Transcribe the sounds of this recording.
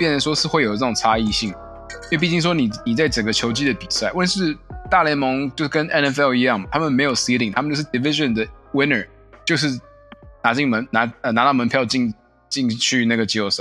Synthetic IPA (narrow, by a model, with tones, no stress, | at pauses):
pjɛ˥˩nə˧˥nʂwɔ˥ʂɻ̩˥˧xwe˥˩ɪjo˨˩ʊɤ˥˩ʊ˨˩ŋt͡sʰa˥i˥˧ɕi˥˩ŋ˥ | wpi˥˩t͡ɕi˥ŋʂ̬wɔ˥ni˨˩ni˨˩t͡sa˥˩ɪʈ͡ʂə˨˩ŋɡə˦t͡ɕʰjo˧˥ʊt͡ɕi˥d̪ə˨pi˨˩sa˥˩ɪwə˥˧nʂɻ̩˥˧t̪a˥˩lɛ˧˥mɤ˧˥ŋt͡ɕjo˥˧ʊʂɻ̩˥˩kə˦˥nʔɛ˥˧nɛ˧˥fɛ˥˩ʊi˧˥jɑ˥˩ŋmɐ˩t̪ʰa˥mə˨nme˧˥ɪjo˨˩ʊsi˥li˨˩ŋt̪ʰa˥˧t͡ɕjʂ̩˥˩d̪i˨˩fi˥ʂə˨nd̪ə˩wi˥nə˞˨˩ | t͡ɕjo˥˧ʊʂ̬ɻ̩˥˩ | na˧˥t͡ɕi˥˩ŋmə˧˥nna˧˥ə˧na˧˥t̪ɑ˥˩mə˧˥npʰjɑ˥˧ʊt͡ɕi˥˧ŋ | t͡ɕi˥˧ŋt͡ɕʰy˥˧na˥˩ɡə˩t͡ɕo˥˩s